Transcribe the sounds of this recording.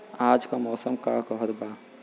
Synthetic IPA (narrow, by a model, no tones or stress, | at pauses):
aːd͡ʒkamɔːsəmka̰kɔɦəɾbaː